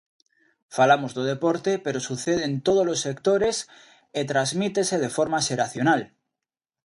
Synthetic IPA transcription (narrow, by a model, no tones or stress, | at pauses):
falamo̞zðoðe̞po̞ɾt̪e̞pe̞ɾo̞suθe̞ð̞ent̪o̞ð̞olo̞sːe̞kt̪o̞ɾe̞s | et̪ɾazmit̪e̞se̞ðefo̞ɾmase̞ɾaθjo̞nal